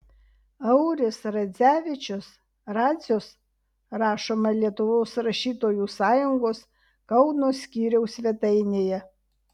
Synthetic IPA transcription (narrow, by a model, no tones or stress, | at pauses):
ɐʊɾʲɪsɾɐzʲæːʋʲɪt͡ʃʲʊs | ɾɑːzʲoːs | ɾɑːʃoːmɐlʲiɛt̪ʊʋoːsɾɐʃʲiːt̪oːjuːsɑːjʊŋɡoːs | kɐʊnoːsʲkʲiːɾʲɛʊsʲʋʲɛt̪ɐɪnʲeːjɛ